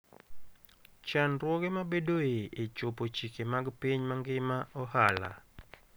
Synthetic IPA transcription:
t͡ʃanrwɔɡemabedoeet͡ʃʊpot͡ʃikemaɡpiɲmaŋɡɪmaɔhala̰

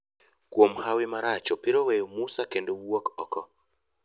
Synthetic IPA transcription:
kwomhawɪmaɾat͡ʃɔpɪɾowɛjomusakendowokɔ̰kɔ

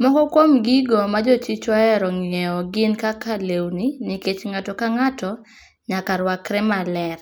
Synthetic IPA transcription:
mɔkɔkwomɡiɡɔmad͡ʒot͡ʃit͡ʃɔɛɾɔŋjɛɔɡɪnkakalewniniket͡ʃŋatɔkaŋatɔ | ɲakaɾwakɾɛmalɛr

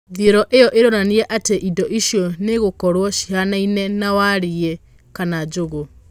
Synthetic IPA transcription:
ðieɾɔʔejɔʔeɾoɾaniɾɛʔateʔidɔʔiʃjɔneɣokɔɾwɔʃi̥hanainɛnawaɾiɛ | kanad͡ʑoɣo

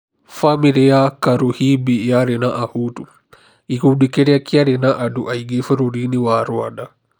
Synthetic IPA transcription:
famiɾiakaɾuhibijaɾɛnaʔahutu | ikudikeɾiakiaɾinaʔaduʔaiɡefəɾoɾiniwaɾuaɗa

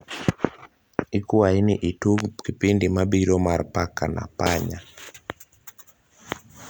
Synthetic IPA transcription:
ikuainiʔitukipindimaɓiɾɔmaɾpakana̰paɲa

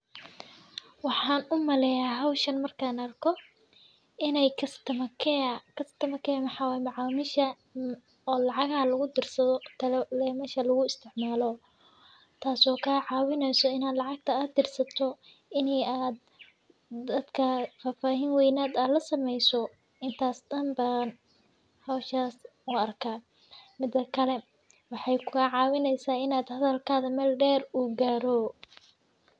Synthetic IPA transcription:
wɑħɑːnʊmɐlɛjaɦɐwʃɐnmɐrkʰanɐrkʰɔ | ʔɪnɛjkʰɐst̪ʰɐmɐkʰɛkʰɐst̪ʰɐmɐkʰɛjmɑħɑːwaːjɛmɑʕaːmɪʃɐ | ɔːlɑʕɑɣhɐlɐɣʊd̪ɪrsɐðɔt̪ʰɐllɛːmɐʃɐlɐɣʊɪst̪ʰɪʕmaːlɔ | t̪ʰaːsɔːkʰaːʕɑːwɪnɛjsɔɪnaːd̪lɑʕɑɡ̚t̪ʰɐaːd̪ɪrsɐt̪ʰɔ | ɪnɛjaːd̪ | d̪ɐd̪kʰɐfaːfaːɦiːnwɛjnaːd̪aːd̪lɐsɐmɛjsɔ | ɪnt̪ʰaːsd̪ɐmbaːn | hɔːʃaːs | ʊɐrkʰaː | mɪd̪ːɐkʰɐlɛ | wɑħɑjkʰʊɣɐʕɑːwɪnɛjsaːɪnaːd̪hɐðɐlkʰaːðɐmɛlɖɛːruːɡaːɾɔ

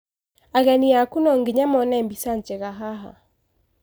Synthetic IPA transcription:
aɣɛniakunɔŋɡiɲamɔnɛmbisant͡ʃɛɣaɦaɦa̰

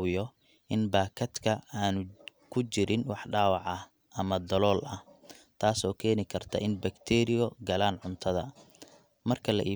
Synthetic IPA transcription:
wɪjɔ | ʔɪnbaːkʰɐd̪kʰɐaːnʊkʰʊt͡ʃɪɾɪnwɑħɖaːwɑʕɐ | ʔɐmɐd̪ɐlɔːlɐh | t̪ʰaːsɔːkʰɛːnɪkʰɐrt̪ʰɐ̰ʔɪnbɐkt̪ʰɛːɾɪjɔɡɐlaːnʕʊnt̪ʰɐðɐ | mɐrkʰɐlɐ̰ʔiː

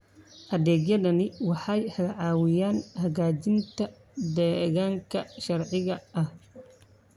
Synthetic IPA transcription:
ʔɐðɛːɡjɐðɐnɪwɑħɑjhɐɣɐʕɑːwɪjaːnhɐɣaːt͡ʃɪnt̪ʰɐ | d̪ɛːɣaːŋkʰɐʃɐɾʕɪɣɐʔɐh

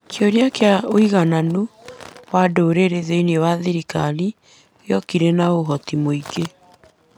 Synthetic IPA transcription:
t͡ʃɔɾjakeaoiɣananuwadoːɾeɾeðeinewaðeɾikani | jɔkiɾɛnaoɦɔtimoiɡe

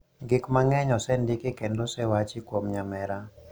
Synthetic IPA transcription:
ɡɪkmaŋɛɲɔsɛndɪkekendosɛwat͡ʃikwomɲamɛɾa

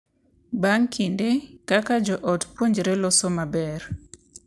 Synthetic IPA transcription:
baŋkʰindekakad͡ʒɔʔɔtpwoɲd͡ʒɾelɔsomabɛr

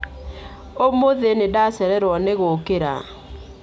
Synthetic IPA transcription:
omoðenedasɛɾɛɾwɔneɣokeɾa̰

